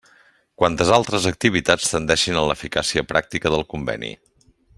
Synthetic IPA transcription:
kwant̪əzalˠt̪ɾəzək̚t̪iβ̞it̪at͡st̪ənd̪ɛʃinənləfikasiəpɾak̚t̪ikəðəlˠkumbɛ̰nḭ

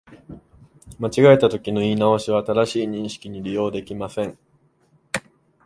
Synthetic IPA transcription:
mat͡ɕiɡaet̪at̪o̞kʲino̞iːnaoɕiβaːt̪aɾaɕiːɲ̟ĩɰ̃ɕi̥kʲiɲ̟iɾʲijo̞ːd̪e̞kʲimasẽ̞ŋ

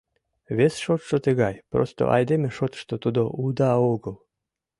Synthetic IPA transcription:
βesʃot̪ʃot̪əɣɑjpro̰st̪o̰ʔɑ̰jd̪emʲeʃot̪ʃt̪ot̪ud̪oʔud̪ɑoɣəlˠ

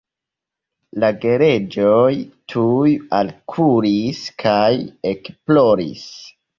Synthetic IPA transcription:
laɡe̞ɾe̞d͡ʒojtʰujalkʰuɾiskʰaje̞kplo̞ɾḭs

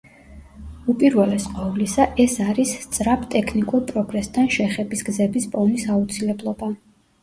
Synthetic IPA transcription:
upʼiɾvɛlɛsqʼɔvlisaʔɛsaɾist̪sʼɾapʰt̪ʼɛkʰnikʼuɾpʼɾɔɡɾɛst̪ʰanʃɛχɛbisɡ̥zɛbispʼɔnisaut̪sʰilɛblˠɔba

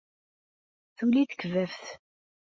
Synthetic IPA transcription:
θuliθə̥kəvævθ

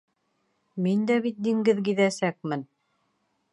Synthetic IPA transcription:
mind̪æβit̪̚d̪iŋɡɘðɡiðæsæk̚mɘn

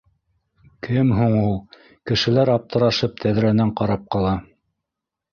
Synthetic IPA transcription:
kʰɘmɦuɴulˠ | kɘ̆ʃɘ̆læɾɑp̚t̪ɤ̆ɾɑʃɤp̚t̪ʰæðɾænæɴqɑɾɑp̚qɑlˠɑ

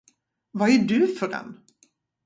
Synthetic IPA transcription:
vaæɖɵfœɾɛ̰n

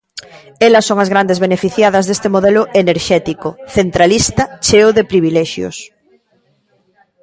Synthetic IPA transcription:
elɐsːoŋɐzɣ̞ɾand̪ezβenefiθjað̞ɐzðest̪emoðɛlʊʔeneɾʃɛt̪ikoθent̪ɾalist̪ɐt͡ʃeoðepɾiβ̞ilɛʃjo̰s

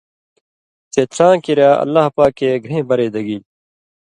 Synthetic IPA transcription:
t͡seːt͡ɕʰãːkiɾjaːɐ̰lːaːhpaːkːeːɡʱɾẽːbɐɾeːd̪ɐɡiː

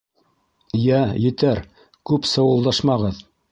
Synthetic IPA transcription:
jæjɘ̆t̪æɾ | kʉpsɤ̆wɤ̆lˠd̪ɑʃmɑʁɤð

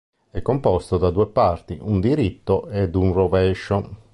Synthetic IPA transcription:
ɛkːompɔst̪od̪ad̪uːepart̪iʔund̪iɾit̪ːoed̪unrovɛʃo

